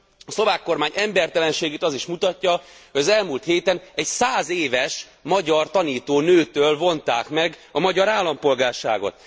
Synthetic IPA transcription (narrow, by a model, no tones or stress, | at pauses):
ɒslo̞vaːkːo̞rmaːɲʔɛmbɛrt̪ɛlɛnʃeːɡeːt̪ɒziʃmut̪ɒcːɒhoɟɒzɛlmult̪heːt̪ɛnɛɟsaːzeːvɛʃ | mɒɟɒrt̪ɒniːt̪oːnøːt̪øːlvo̞nt̪aːkmɛɡɒmɒɟɒɾaːlːɒmpo̞lɡaːrʃa̰ːɡo̞̰t̪̚